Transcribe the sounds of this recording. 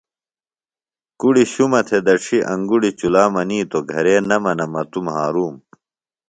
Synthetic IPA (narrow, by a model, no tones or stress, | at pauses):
kuɽiɕumɐt̪ʰed̪ɐʈ͡ʂʰiʔɐ̃ŋɡuɽit͡ɕulaːmɐniːt̪oɡʱɐɾeːnɐmɐnɐmɐt̪umɦaːɾuːm